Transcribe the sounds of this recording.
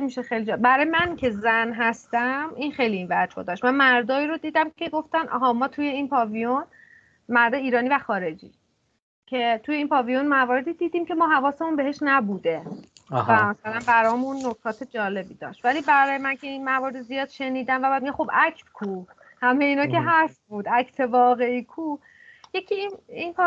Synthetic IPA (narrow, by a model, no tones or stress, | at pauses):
miʃexejlid͡ʒɒbæɾɒːjemæncʰe̞zænɦæst̪æminxejliːnvæd͡ʒhod̪ɒʃt̪mænmæɾd̪ɒːiːɾod̪iːd̪æmkʰe̞ɡo̞ft̪ænʔɒ̰ːɦɒmɒːt̪ʰuje̞inpʰɒːvijon | mæɾd̪eiːɾɒːniːvæxɒːɾe̞d͡ʒḭː | cʰe̞t̪ʰujeiːnpʰɒːvijonmævɒːɾe̞d̪id̪iːd̪iːmcʰe̞mɒːɦævɒːse̞munbe̞ɦe̞ʃnæbuːd̪e̞væmæsælænbæɾɒːmunːokʰɒːt̪ʰe̞d͡ʒɒːle̞biːd̪ɒ̰ːʃt̪væliːbæɾɒːjemæncʰe̞inmævɒːɾed̪izijɒːd̪̥ʃe̞niːd̪æmvæbæd̪̚miɟæmxobækʰt̪kʰuː | hæmejeiːnɒːke̞ɦæst̪̚buːd̪ʔæcʰt̪ʰe̞vɒːɣe̞ikʰu | je̞cʰininpː